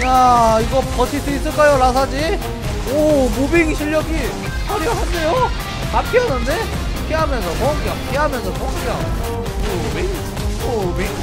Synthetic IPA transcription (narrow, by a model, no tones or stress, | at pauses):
jaiɡʌpʌt͡ɕʰis͈ɯis͈ɯɭk͈ajoɾas̬ʰad͡ʑi | omubiŋiɕʰiʎːʌɡi | pʰaɾjʌɦande̞jo | nak͈iʌnːɯnde̞ | keɦamjʌnsʰʌpʌnɡʌkiɦamjʌnsʰʌponkeʌŋ | mo | be | obiŋ